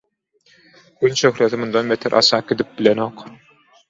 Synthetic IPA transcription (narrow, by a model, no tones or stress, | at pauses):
ɡynʃøxɾeθimund̪ɑnmet̪ʰiɾʔɑ̰sɑːked̪ip̚bilenoq